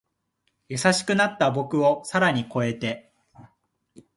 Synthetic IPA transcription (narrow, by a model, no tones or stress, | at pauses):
jasaɕi̥kɯ̟nat̪ːabo̞kɯ̟o̞saɾaɲ̟iko̞e̞t̪e̞